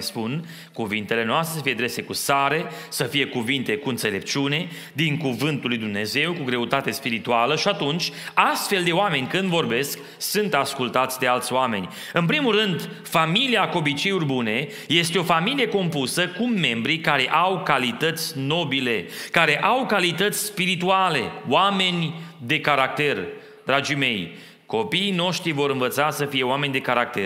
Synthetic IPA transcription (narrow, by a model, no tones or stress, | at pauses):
spun | kuvint̪e̞le̞noast̪ɾesəfije̞d̪ɾe̞se̞kusaɾe̞səfije̞kuvint̪e̞kuɨnt̪se̞le̞p̚t͡ʃiune̞ | d̪iŋkuvɨnt̪ulːujd̪umne̞ze̞wkuɡɾe̞ut̪at̪e̞spiɾit̪ualəʃiat̪unt͡ʃʲast̪fe̞ld̪e̞oame̞nʲkɨnd̪vo̞rbe̞sk | sunt̪askult̪at̪sʲd̪e̞alt̪sʲoame̞̰nʲ | ɨnp̬ɾimulrɨnd̪ | familiako̞bit͡ʃe̞jurbune̞ | je̞st̪eo̞familije̞ko̞mpusəkumːe̞mbɾikaɾe̞ʔawkalit̪ət̪sʲno̞bile̞kaɾe̞ʔawkalit̪ət̪sʲspiɾit̪uale̞̰wame̞nʲd̪e̞kaɾak̚t̪e̞r | d̪̥ɾad͡ʒime̞j | ko̞piːno̞ʃt̪ɾivo̞ɾɨnvət̪sasəfije̞oame̞nʲd̪e̞kaɾak̚t̪er